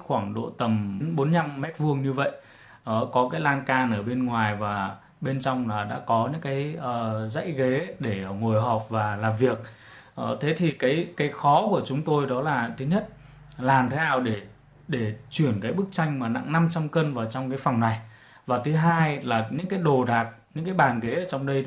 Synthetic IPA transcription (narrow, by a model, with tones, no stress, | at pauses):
xwaː˧˩ŋɗo̰˧˨t̪ə˨˩m˨˦nɓo˨˦nɲa˧mːɛ˦˥t̚vu˧əŋɲɨ˧və̰˧˨j | ʔəː˨˩kɔ˨˦kaː˨˦jlaː˧nkaː˧nʔəː˧˩ɓe˧nŋwaː˨˩jvaː˨˩ | ɓe˧nt͡ɕɔ˧wŋ͡mlaː˨˩ɗa̰ː˧˥kɔ˨˦ɲɨ̰˧˥ŋkaː˨˦jʔəː˨˩za̰˧˥jɣe˨˦ɗe˧˩əː˧˩ŋo˨˩jɦɔ˨˩p̚vaː˨˩laː˨˩mvi˨˩ək̚ | ʔə˧˩t̪ʰe˨˦t̪ʰi˨˩kaː˨˦jkaː˨˦jxɔ˨˦ku˧˩ət͡ɕʊ˨˦ŋ͡mt̪o˧jɗɔ˨˦laː˨˩t̪ʰɨ˨˦ɲə˦˥t̚ | laː˨˩mt̪ʰe˨˦naː˨˩wɗe˧˩ | ɗe˧˩t͡ɕwi˧˩ənkaː˨˦jɓɨ˦˥k̚t͡ɕa˧jŋ̟maː˨˩na̰˧˨ŋna˧mt͡ɕa˧mkə˧nvaː˨˩wt͡ɕɔ˧wŋ͡mkaː˨˦jfa˨˩wŋ͡mna˨˩j | vaː˨˩t̪ʰɨ˨˦ɦaː˧jlaː˨˩ɲɨ̰˧˥ŋkaː˨˦jɗo˨˩ɗaː˨˩t̚ɲɨ̰˧˥ŋkaː˨˦jɓaː˨˩nɣe˨˦əː˧˩t͡ɕɔ˧wŋ͡mɗə˧j